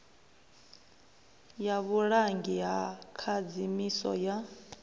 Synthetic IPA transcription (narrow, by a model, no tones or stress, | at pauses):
jaβuɺaŋɡiɦakʰad͡zimisɔ̰ja